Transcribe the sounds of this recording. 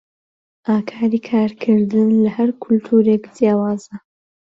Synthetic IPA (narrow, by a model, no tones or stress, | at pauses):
ʔaːkʰaːɾikʰaːɾkʰɨɾd̪ɨnlɐhɐɾkʰʊlt̪ʰuːɾeːkdjaːwaːzɐ